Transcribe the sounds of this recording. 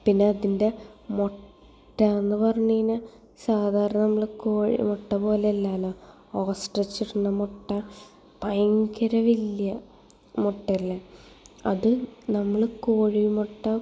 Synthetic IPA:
pinːe̞ɐðinde̞mo | ʈːɐenːɨpɐrɐɲːunɐ | saːd̪ʱaːɾɐnɐnɐmːɐɭkoːɻḭmoʈːɐpo̞ːleelːaːloː | oːsʈɐt͡ɕːirunːɐmoʈːɐ | pɐjŋkɐɾɐʋilːjɐ | moʈːɐlːe | ɐ̰ðɨnɐmːɐɭkoːɻimoʈːɐ

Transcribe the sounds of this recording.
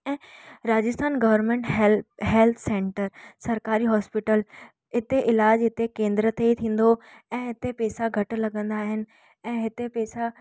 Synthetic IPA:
ɛ̃ːɾaːd͡ʑɪst̪ʰaːnɡɐʋəɾnmẽɳʈɦɦɛːlt̪ʰsẽːɳʈəɾsɐɾkaːɾiɦɔːspɪʈəl | ɦɪt̪eʔɪlaːd͡ʑɦɪt̪ekẽːnd̪ɾət̪eit̪ʰĩːn̆d̪o | ɛ̃ːɦɪt̪epɛːsaɡʱɐʈlɐɠə̃nd̪aːɦɪnɪ̆ | ɛ̃ːɦɪt̪epɛːsa

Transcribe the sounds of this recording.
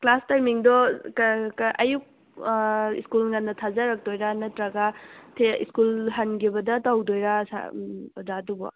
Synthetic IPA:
klastajmiŋdɔkkʔɐjuk̚ | ḭskulŋɐnːɐtʰazɐɾɐk̚dojɾanɐtɾaɡatʰeḭskulɦanɡibɐdɐtawdojɾasa̰zadubɔ̰

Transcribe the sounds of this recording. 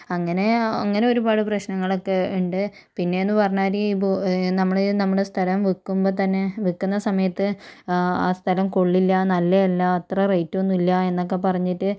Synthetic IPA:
ɐŋːɐne̞ɐŋːɐne̞o̞ɾubaːɽɨprɐɕnɐŋːɐɭo̞kːe̞uɳɖɨ | pinːe̞enːɨpɐrɐɲːaːɾibonɐmːɐɭinɐmːuɽe̞st̪ʰɐlɐmʋikːumbo̞ːt̪ɐnːe̞ʋikːunːɐsɐmɐjɐt̪ːɨ | aːst̪ʰɐlɐmko̞ɭːilːɐnɐlːeɐlːaːt̪rɐrejtːuonːilːɐe̞nːo̞k̬ːe̞pɐrɐɲːiʈːɨ

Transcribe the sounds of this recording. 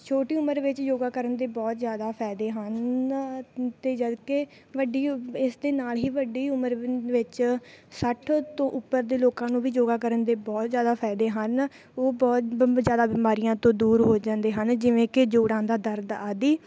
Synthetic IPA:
t͡ʃʰoːʈiːʊməɾʋɪt͡ʃjoːɡaːkəɾənd̪eːbɔːt̪zjaːd̪aːpʰɛːd̪eːɦən | t̪eːd͡ʒəd̪ke | ʋəɖiːɪsd̪eːnaːlɦiːʋəɖiːʊməɾʋɪt͡ʃsəʈʰt̪õːʔʊpːəɾd̪eːloːkãːnũːʋiːd͡ʒoːɡaːkəɾənd̪eːbɔːt̪zjaːd̪aːpʰɛːd̪eːɦən | oːbɔːt̪zjaːd̪aːbiːmaːɾijãːt̪õːd̪uːɾɦoːd͡ʒãːnd̪eːɦənd͡ʒɪʋẽːkɪd͡ʒoːɽãːnd̪aːd̪əɾd̪aːd̪iː

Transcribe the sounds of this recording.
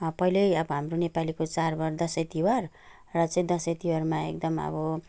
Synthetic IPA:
pʌɦilʌjʌbʌɦamronepalikot͡sarbʌrd̪ʌsejt̪iwʌr | rʌt͡sʌĩd̪ʌset̪iwʌrmaḛk̚d̪ʌmʌ̰bʌ

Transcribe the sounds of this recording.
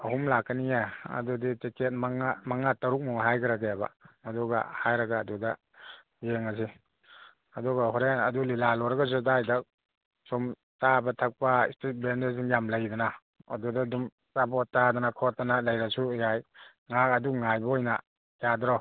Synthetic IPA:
ɐɦumlakːanijaɐ̰duditeket̚maŋamaŋataɾuk̚mɔŋɦajɡʰaɾaɡajaba̰ɐduɡa̰hajɾaɡaːduda | jeŋas̬i | ɐdɔɡahɔɾeanɐdulilalɔɾaɡas̬udajdak̚ | sum | tabɐtʰak̚paḭstet̚bendas̬iŋjamlajdana | ɐ̰dudadum | sapʰɔtːadanakʰɔtːanalajɾasujaj | ŋak̚ɐduŋajbɐɔjna̰ | jadɾɔ

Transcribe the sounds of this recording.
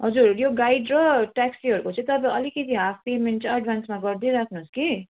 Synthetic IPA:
ɦʌd͡zuɾjoɡaiɖɾʌʈaksiɦʌɾukot͡sʰʌt̪ʌbʌ̃ʌlikisʰiɦapʰpemeɳʈt͡sʌ̃ɐɖbʱansmaɡʌɾd̪iɾakʰnuɦuski

